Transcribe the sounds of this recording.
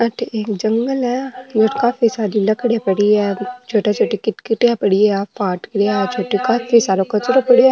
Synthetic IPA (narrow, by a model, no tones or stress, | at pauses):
ɐʈʰeeːkd͡ʒɐŋɡəlɦɛd͡ʒoʈkafisaːlilɐkɽepɐɽiɛt͡ʃʰoːʈat͡ʃʰoːʈikɪʈkɪʈeapɐɽiapaːʈkɾeat͡ʃʰoːʈikaːfʰisaːɾokɐt͡ʃoɾopɐɽi